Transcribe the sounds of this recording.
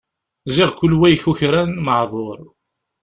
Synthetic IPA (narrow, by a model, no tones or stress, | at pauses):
zɪʁkʷʊlːwæjçuçɾænməʕðˤoɾˤ